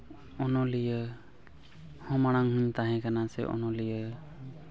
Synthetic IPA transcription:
ɔnɔlijə | hɔ̃maɽ̃aŋɦuɲt̪aɦɛ̃kanasɛ̰ʔɔ̰nɔlijə

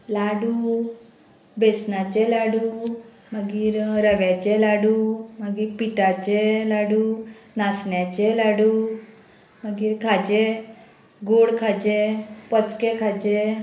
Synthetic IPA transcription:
laɽuː | besnat͡ɕelaɽu | məɡiːɾɾəʋjat͡ɕelaɽuːməɡiːɾpiʈat͡ɕelaɽuːnasɳjat͡ɕelaɽuː | məɡiːɾkʰad͡ʑe | ɡoɽkʰad͡ʑepət͡skekʰad͡ʑe

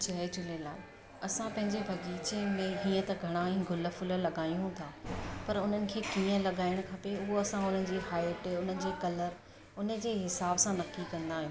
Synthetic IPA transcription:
d͡ʑɐed͡ʑʊlelaː | ɐsãpɐ̃ɦɪ̃ɲd͡ʑebʱɐɡiːt͡ɕemẽɦiːə̃t̪ɐɡʱɐɽ̃aĩːɡʱʊlə̆fʊləlɐɠaːjũɦũːt̪ʰaːpɐɾʊn̤ənɪ̆kʰeːkiːə̃lɐɠaːɪɽ̃kʰɐpeʊɦoɐsãʊn̤ən̆d͡ʑiːɦaːɪeʈʊn̤ənɪ̆d͡ʑeːkɐləɾ | ʊnə̆d͡ʑeːɦɪsaːbsãnɐkːikɐ̃nd̪aːɦijũː

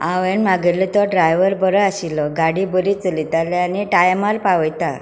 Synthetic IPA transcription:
aʋɛnmaɡəɾlit̪ɔɖɾajʋəɾbəɾəaɕilːɔɡaɽibəɾit͡səlit̪alːeaniʈajmaɾpaʋəjt̪a

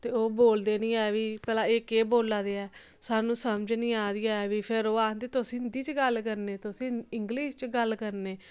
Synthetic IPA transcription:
t̪eːoːboːld̪eːnĩːɛːʋiːpɛːlãːɪkeːboːlaːd̪eːɛː | saːnũːsəmd͡ʒnĩːaːd̪iːaːɛːʋiːpʰɪɾoːaːd̪eːt̪ʊsĩːnd̪iːt͡ʃɡəlkəɾneːt̪ʊsĩːɪŋɡliːʃt͡ʃɡəlkəɾneː

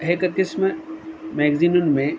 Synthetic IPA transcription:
ɦekət̪isməmeːɡzinunmẽ

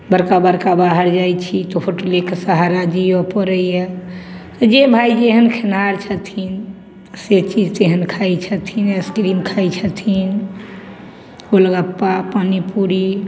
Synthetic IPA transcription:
bəɾkabəɾkabaɦəɾd͡ʒajt͡ʃʰit̪ɔfʰoʈəlekesəɦaɾad͡ʒiəpəɾəjet̪ɔd͡ʒebʱajd͡ʒeɦənkʰenaɾt͡ʃʰət̪ʰin | set͡ʃid͡ʒt̪eɦənkʰajt͡ʃʰət̪ʰineskɾimkʰajt͡ʃʰət̪ʰin | oləɡəpːapanipuɾi

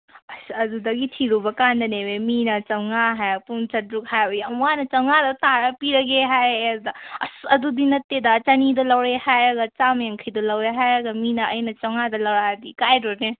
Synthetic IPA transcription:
ɐsɐdudɐɡitʰiɾubɐkandɐneweminɐt͡ʃɐŋaɦajpunt͡ʃɐt̚ɾuk̚hajjamwanɐt͡ʃɐŋadɐt̪aɾɐpiɾɐɡeɦajɐdudɐɐsɐdudinɐtːedɐt͡ʃɐnidɐlɐwɾehajɾɐɡɐt͡ʃamjaŋkʰɐjdɐlɐwɾeɦajɾɐɡɐminɐɐjnɐt͡ʃɐŋadɐlɐwɾadikajdɔne

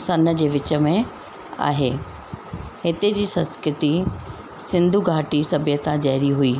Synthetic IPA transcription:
sɐnə̆d͡ʑeːʋɪt͡ɕə̆mẽ | a̰ːɦeː | hɪt̪ed͡ʑiːsɐ̃nskɾɪt̪i | sɪ̃nd̪ʱuɡʱaːʈisɐbʱɪjət̪ʰãd͡ʑɐɦɾiɦuiː

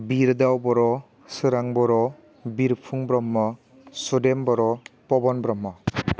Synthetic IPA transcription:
biɾdawbɔɾɔ | sɯɾaŋbɔɾɔ | biɾpʰuŋbɾɔmːɔ | sudembɔɾɔpɔbɔnbɾɔmːɔ

